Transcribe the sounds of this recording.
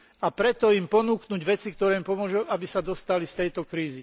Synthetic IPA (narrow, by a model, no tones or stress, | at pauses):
apɾɛt̪ɔimpɔnuːknuɟʋɛt͡sikt̪ɔɾɛːmimpɔmʊɔʒuʔabisad̪ɔst̪alist̪ɛjt̪ɔkɾiːzi